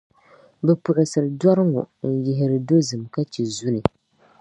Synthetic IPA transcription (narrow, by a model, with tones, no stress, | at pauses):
bɛ˨pʊ˨ʔɪ˨sɨ˨ɾɨ˨dɔ˦ɾɨ˦ŋo̰˨n̩˨jɪ˨ɦɪ˨ɾɨ˨do˦zɨ˨mka˦t͡ʃɛ˨zu˦nɨ˨